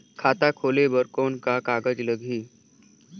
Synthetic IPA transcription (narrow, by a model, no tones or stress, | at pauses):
kʰat̪akʰoleʋəɾkonkakaɡəd͡ʑləɡʱiː